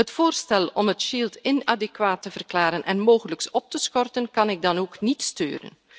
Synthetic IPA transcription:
ɦətfoːrstɛlɔmɦətʃiːltɪnadɛkwaːtːəvərklaːɾənʔɛnmoːɣələksɔp̚təsxɔrtənkɑnɪɡ̚dɑnoːknitstø̰ːɾə̰n

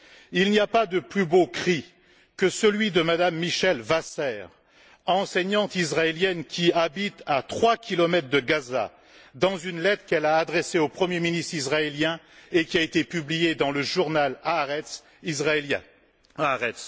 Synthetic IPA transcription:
ilniapad̪əplybokχi | kəsəlɥid̪əmad̪amːiʃɛlvasɛːʁ | ɑ̃sɛɲɑ̃t̪isʁaeljɛnkʲʰiabit̪at̪χwakʲilɔmɛt̪χd̪əɡaza̰ | d̪ɑ̃zynlɛt̪χkɛlaːd̪ʁeseopχəmjeminist̪χisʁaeljɛ̃ | ekʲiaet̪epyblijed̪ɑ̃ləʒuʁnalaɛ | izʁalɛ̃ | ʁɛts

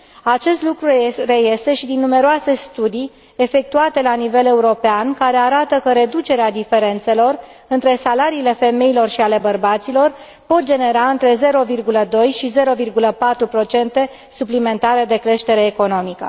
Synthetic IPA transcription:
at͡ʃe̞st̪lukɾure̞je̞st̪e̞ʃid̪inːume̞ɾoase̞st̪ud̪i | efe̞k̚t̪uat̪e̞lanive̞le̞uɾo̞peankaɾe̞aɾat̪əkəɾe̞d̪ut͡ʃe̞ɾead̪ife̞ɾe̞nt̪se̞lo̞rɨnt̪ɾe̞salaɾiːle̞fe̞me̞ilo̞rʃiale̞bərbat̪silo̞r | po̞t̪̚d͡ʒene̞ɾaɨnt̪ɾe̞ze̞ɾo̞virɡuləd̪o̞jʃize̞ɾo̞virɡuləpat̪ɾupɾot͡ʃe̞nt̪e̞ | suplime̞nt̪aɾe̞d̪e̞kɾe̞ʃt̪e̞ɾe̞ːko̞no̞mikə̰

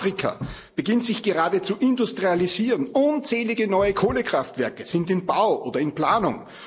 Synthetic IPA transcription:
ʁ̥ikʰa̰ | b̥əɡɪntz̥ɪçɡ̥əʁaːdət͡suʔɪndʊstʁ̥ializiːʁənʔʊnt͡sɛːlɪɡənɔʏəkʰoːləkʁ̥aftv̥ɛɐkəz̥ɪndɪnbaʊʔoːdɐɪnpl̥aːnʊ̰ŋ

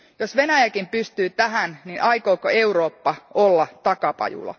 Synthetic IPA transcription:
josʋenæjækimpyst̪yːt̪æɦænninʔɑikoːkoeuroːpːɑʔolːɑt̪ɑkɑpɑ̰jṵlɑ̰

